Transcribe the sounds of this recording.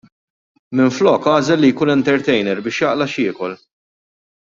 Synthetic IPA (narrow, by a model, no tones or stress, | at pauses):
mɪɱflɔːkɐːzɛlːijkuːnɛnt̪ɛɾt̪ɛjnɛɾbɪːʃjɐʔlɐʃɪːkɔl